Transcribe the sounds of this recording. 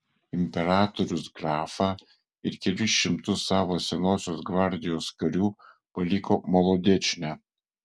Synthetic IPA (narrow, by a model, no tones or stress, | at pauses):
ɪmʲpʲɛɾɑːt̪ɔɾʲʊsɡɾɑːfɑː | ɪɾkʲɛlʲʊsʃʲɪmt̪ʊsːɑːʋoːsʲɛnoːsʲoːsɡʋɐɾʲd̪ʲɪjoːskɐɾʲuː | pɐlʲɪkoːmɔlˠɔd̪ʲɛt͡ʃʲnʲæ